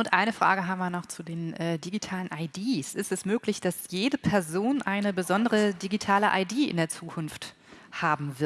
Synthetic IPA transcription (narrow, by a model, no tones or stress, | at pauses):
ʔʊntʔaɪnəfʁ̥a̰ːɡəɦaːbm̩viːɐnɔχt͡sudeːnɛːdiɡitʰaːlənʔaɪdiːsɪstɛsmøːklɪçd̥asjeːdəpʰɛɐzoːnʔaɪnəbəzɔndəʁədiɡitʰaːləʔa̰ɪdiːʔɪ̰ndeːɐt͡suːkʰʊnft | haːbm̩vɪɐ